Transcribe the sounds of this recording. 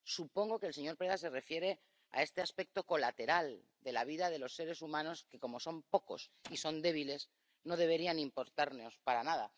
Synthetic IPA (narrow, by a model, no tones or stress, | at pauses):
supo̞ŋɡo̞keːlse̞ɲo̞ɾpɾeðas̬e̞refje̞ɾe̞ | a̰e̞st̪e̞aspe̞k̚t̪o̞ko̞lat̪e̞ɾal | d̪e̞laβ̞iðaðe̞lo̞sːe̞ɾe̞sumãno̞ske̞ko̞mo̞so̞mpo̞ko̞̰siso̞nd̪e̞β̞ile̞s | no̞ðe̞βe̞ɾianimpo̞ɾt̪aɾno̞spaɾanað̞a